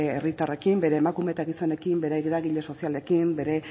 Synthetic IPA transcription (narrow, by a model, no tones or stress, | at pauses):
ḛrit̪are̞kimbe̞ɾe̞ːmakume̞t̪aɣiso̞ne̞kimbe̞ɾeɣɾaɣiʎe̞so̞siale̞kimbe̞ɾe̞